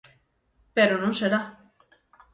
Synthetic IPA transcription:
peɾonunseɾa

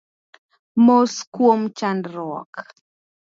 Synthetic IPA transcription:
moskwomt͡ʃandɾɔ̰k

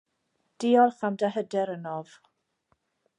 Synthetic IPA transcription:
d̥ɪɔlˠχamdəɦədɛɾənɔv̥

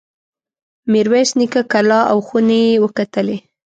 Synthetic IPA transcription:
miɾwesnikakalɑʔa̰wxunejewəkat̪əle

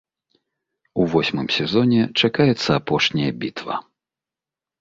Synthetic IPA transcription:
uvɔsʲmɨmsʲɛzɔnʲɛt͡ʂakajɛt̪sːɐapɔʂnʲɐjɐbʲit̪vɐ̰

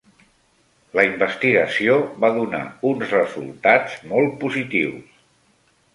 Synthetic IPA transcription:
ləimbəst̪iɣəsioβaðuna̰unzrəzṵlˠt̪ad͡zmɔlˠt̪̚puzit̪iws

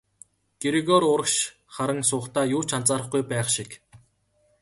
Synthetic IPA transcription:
ɡ̥eɾiɣɔɾʊɾə̆kʃ | χaɾə̆ŋsʊːχt̪aːjʊːt͡ɕʰant͡saːɾə̆χɡujpæːχʃik

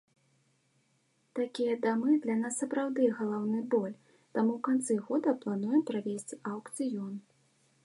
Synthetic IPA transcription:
t̪akʲijɐd̪amɨd̪lʲɐnasːɐpɾawd̪ɨɣɐlˠawnɨbɔlʲ | t̪amuwkant̪sɨɣɔd̪ɐplˠan̪ujɛmpɾavʲesʲt͡sʲawkt̪sɨjɔn

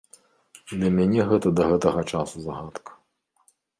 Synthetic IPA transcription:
d̪lʲɐmʲanʲɛɣɛt̪ɐd̪ɐɣɛt̪ɐɣɐt͡ʂasuzaɣat̪kɐ̥

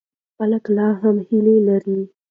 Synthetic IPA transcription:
xaləklɑɦamhilelaɾi

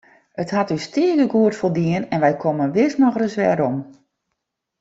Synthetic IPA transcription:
əthatystɪəkəɡuətfolˠdiənɛnʋɛjkʰomənʋɪsnɔxrəsʋɛ̰ːɾɔm

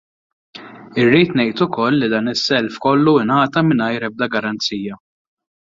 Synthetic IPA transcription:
ɪrːiːt̪nɛjt̪ʊkɔlːid̪ɐːnɪsːɛlfkɔlːuɪnɐːt̪ɐmɪnɐjɾɛb̚d̪ɐɡɐɾɐnt͡siːjɐ

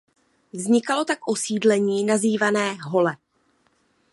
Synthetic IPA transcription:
vzɲɪkalo̞t̪akʔo̞siːdlɛɲiːnaziːvanɛːɦo̞lɛ

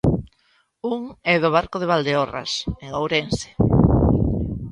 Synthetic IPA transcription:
uŋɛðʊβaɾkoðeβald̪eora̰seŋowɾense̥

